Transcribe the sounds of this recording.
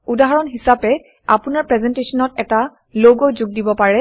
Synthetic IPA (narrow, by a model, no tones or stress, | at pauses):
udaɦɔɹɔnɦisapɛ | a̰pʊnaɹpɹɛzɛntesɔnɔtɛta | loɡojzʊɡ̚dibɔpaɹɛ